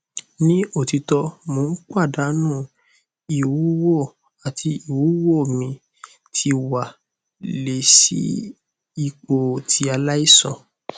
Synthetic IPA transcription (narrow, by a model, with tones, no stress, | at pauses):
nĩ˦o˦˨ti˧tɔ˧mõː˨˦n̩˦k͡pa˦˨da˨˦nũ˦˨ | i˨wu˨˦wo˦˨ | a˨tʰi˧i˨wuː˨˦wo˦˨mĩ˧ | tʰi˧wa˨ | le˨sḭ˨˦ | i˨k͡po˨tʰi˧a˧la˦i˦sɔ̰̃˦˨